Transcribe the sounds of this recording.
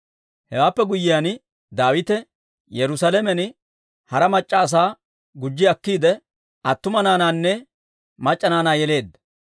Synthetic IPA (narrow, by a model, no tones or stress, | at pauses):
hɛwaːpːɛɡʊjɪjaːn | d̪aːwɪt̪ɛ | jɛɾʊsalɛmɛn | hɐɾɐmɐt͡ʃʼːɐːs̬aː | ɡʊd͡ʒːɪɐkːiːd̪ɛ | ʔɐt̪ːʊmɐnaːnaːnːɛ | mɐt͡ʃʼːɐnaːnaːjɛle̞ːd̪ːɐ̥